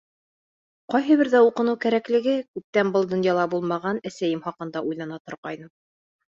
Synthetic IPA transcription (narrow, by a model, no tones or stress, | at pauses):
qɑjɦɤ̆βɘɾðæuqɤ̆nɤwkæɾæklɘ̆ɡɘkʉp̚t̪ænbɤlˠd̪ŏnjɑlˠɑbulˠmɑʁɑnæsæjɘmχɑqɤ̆nd̪ɑʔujlɑnɑt̪ŏɾqɑjnɤm